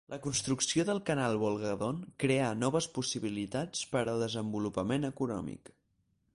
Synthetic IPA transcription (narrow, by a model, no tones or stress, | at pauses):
lʔəkunst̪ɾuksioðəlˠkənalˠβulˠɣəðonkɾeənɔβ̞əspusiβilit̪at͡spəɾəlˠd̪əzəmbulupəmenəkunɔ̰mḭk